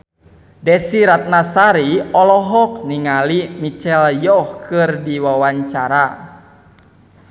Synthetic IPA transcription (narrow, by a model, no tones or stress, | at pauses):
dɛsiɾat̪̚nasaɾiɔlɔɦɔk̚niŋalimit͡ʃɛljɔhkɨrdiwawaɲt͡ʃaɾa